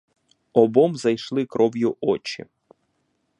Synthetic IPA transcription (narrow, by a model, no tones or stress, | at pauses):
ɔbɔmzɐjʃlˠɪkɾʔɔwjʊʔɔt͡ʃḭ